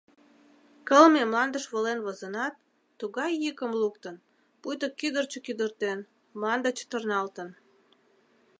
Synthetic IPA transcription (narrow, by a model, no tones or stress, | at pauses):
kəlmemlɑnd̪əʃβolenβozənɑt̪ː | uɣɑjːəkəmluk̚t̪ən | pujt̪əkːyd̪ərt͡ɕəkyd̪ərt̪en | mlɑnd̪ət͡ɕə̥t̪ərnɑlt̪ən